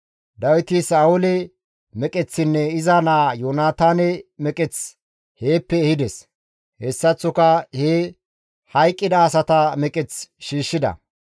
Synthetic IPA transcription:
d̪ɐwɪt̪ɪsaːʊlɛ | mɛkʼɛt͡sːɪnːɛɪzɐnaːjoːnaːt̪aːnɛmɛkʼɛt͡s | heːpːɛːhɪd̪ɛs | hɛsːɐt͡sːɔkɐhe | hɐjkʼːɪd̪ɐːsɐt̪ɐmɛkʼɛt͡sʃiːʃːɪd̪ɐ̰

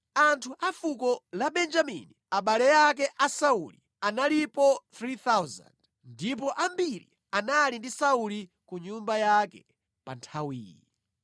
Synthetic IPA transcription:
antʰuʔafukɔlaɓɛnd͡ʒamḭniaɓalɛjakɛʔasaulḭ | analipɔθɾiθawza̰nd | ndipɔʔambiɾḭ | analindisauli | kuɲumbajakɛ̰ | pa̰ntʰawḭːjḭ

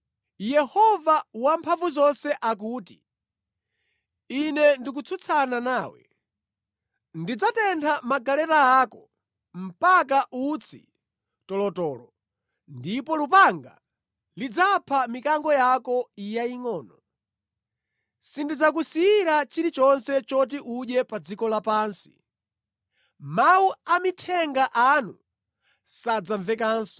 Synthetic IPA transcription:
jɛhɔvawampʰaɱvuzɔnsɛʔakuːti | inɛndik̬ut͡sʰut͡sʰananaːwɛ̰ | ndid͡zatɛntʰamaɡalɛɾaːkɔ | m̩pak̬aʔut͡sʰḭ | tɔlɔtɔːlɔ | ndipɔlupaŋɡa̰ | lid͡zapʰamikaŋɡɔjakɔijaiŋɔːnɔ | sindid͡zak̬usiiɾat͡ʃiɾit͡ʃɔnsɛt͡ʃɔt̬iʔuɗɛpad͡zikɔlapaːnsi̥̰ | mauamitʰɛŋɡaʔanu | sad͡zaɱvɛkaːnsɔ̥

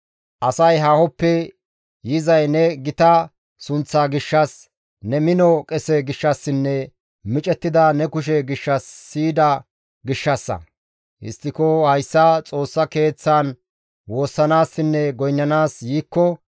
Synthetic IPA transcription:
ʔɐsɐjɦaːhɔpːɛ | jɪzɐjnɛɡɪt̪ɐ | sʊnt͡sːaːɡɪʃːɐs | nɛmɪnɔkʼɛsɛɡɪʃːɐsːɪnːɛ | mɪt͡ʃʼɛt̪ːɪd̪ɐnɛkʊʃ̬ɛɡɪʃːɐsːiːd̪ɐ | ɡɪʃːɐsːɐ̰ | ʔɪ̰st̪ːɪkɔhɐjsːɐt͡sʼo̞ːsːɐke̞ːt͡sːan | wo̞ːsːɐnaːsːɪnːɛɡɔjnːɐnaːsjiːkːɔ

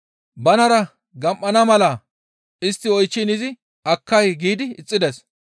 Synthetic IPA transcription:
bɐnɐɾɐ | ɡɐmʔːɐnɐmɐlɐ | ɪst̪ːɪɔjt͡ʃːɪnɪzɪ | ʔɐkːɐjɡiːd̪ɪɪt͡sʼːɪd̪ɛs

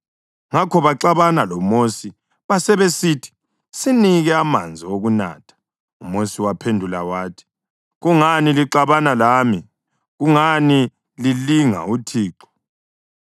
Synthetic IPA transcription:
ŋakʰɔβaǀaβanalɔmosi | βasɛβesiːtʰi̥ | siniɣɛama̰nd͡zʱioɣuna̰ːtʰḁ | umosiwapʰendʱulawaːtʰi̥ | ɣuŋaniliǁaβanalaːmi | ɣuŋani | liliŋa̰utʰiːǁɔ̥

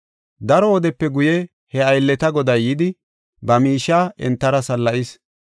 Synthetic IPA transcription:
d̪ɐɾɔɔd̪ɛpːɛɡʊjɛ | hɛɐjlːɛt̪ɐɡɔd̪ɐjjɪd̪ɪ | bɐmiːʃːaːʔɛ̰nt̪ːɐɾɐsɐlːɐʔis

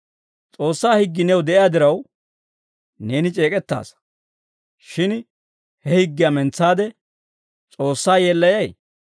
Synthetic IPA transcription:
t͡sʼo̞ːsːaːhɪɡːɪnɛwd̪ɛʔɪjad̪ɪɾɐw | ne̞ːnɪt͡ʃʼe̞ːkʼɛt̪ːa̰ːs | ʃɪn | hɛhɪɡːɪjamɛnt͡sːaːd̪ɛ | t͡sʼo̞ːsːaːjeːlːɐjɐj

